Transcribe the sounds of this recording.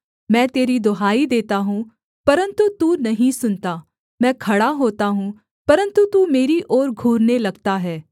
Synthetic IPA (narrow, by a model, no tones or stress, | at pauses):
mɛ̃ːt̪eːɾid̪oɦaːid̪eːt̪aɦũː | pɐɾə̃nt̪ut̪uːnɐɦĩsʊnt̪aː | mɛ̃ːkʰɐɽaɦoːt̪aɦũ | pɐɾə̃nt̪ut̪uːmeːɾiʔɔːɾɡʱuːɾnelɐɡt̪aɦɛː